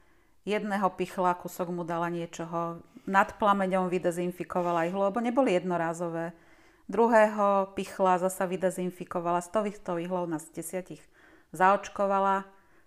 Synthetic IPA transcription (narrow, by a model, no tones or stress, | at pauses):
jɛd̪nɛɦɔpixlakusɔɡmud̪alaɲɪɛt͡ʃɔɦɔnat̪plamɛɲɔmʋid̪ɛzinfikɔʋalaiɦlɔlɛbɔɲɛbɔlijɛd̪nɔɾaːzɔʋɛː | d̪ɾuɦɛːɦɔpixlazasaʋid̪ɛzinfikɔʋalast̪ɔʋixt̪ɔiɦlɔʊnazɟɛsɪaciɣ | zaɔt͡ʃkɔʋala